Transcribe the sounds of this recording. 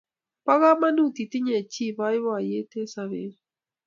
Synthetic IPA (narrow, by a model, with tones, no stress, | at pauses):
pa˦ɣa˦ma˦nu˦˨ti˨ti˦ɲe˨t͡ʃi˦˨βa˦ɪ˦βwa˨je˦te˦sa˦βe˨˦